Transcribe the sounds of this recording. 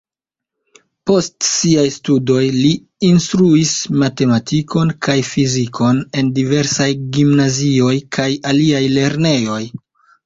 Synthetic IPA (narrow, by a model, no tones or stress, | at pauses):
po̞stsiajstudo̞jliː | nstɾuismate̞matʰiko̞nkʰajfizikʰo̞ne̞ndive̞ɾsajɡimnazio̞jkʰajaliajle̞ɾne̞jo̞j